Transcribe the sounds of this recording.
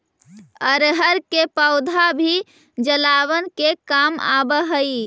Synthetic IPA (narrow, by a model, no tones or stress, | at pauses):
əɾɦəɾkepəʊd̪ʱabʱi | d͡ʒəlaβənkekama̰bəɦəi